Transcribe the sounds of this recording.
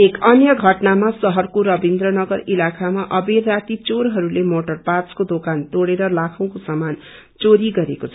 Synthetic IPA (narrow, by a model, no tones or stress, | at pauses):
ekʌnjʌɡʱʌʈnamasʌɦʌrkoɾʌbind̪ɾʌnʌɡʌɾilakʰamaʔʌberːat̪it͡soɾɦʌɾulemoʈʌrpat͡skod̪okant̪oɽeɾʌlakʰʌw̃kosʌman | t͡soɾiɡʌɾekot͡sʰʌ